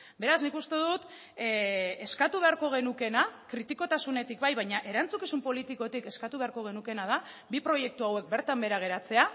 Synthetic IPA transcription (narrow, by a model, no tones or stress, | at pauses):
be̞ɾaznikust̪e̞ðut̪ | e̞skat̪uβe̞aɾko̞ɣ̞e̞nuke̞nakɾit̪iko̞t̪asune̞t̪ikbajβajɲaʔe̞ɾant͡sukisumpo̞lit̪iko̞t̪ike̞skat̪uβe̞aɾko̞ɣ̞e̞nuke̞nað̞a | bipɾo̞je̞k̚t̪uawe̞k̚be̞ɾt̪ambe̞ɾaɣ̞e̞ɾat͡se̞a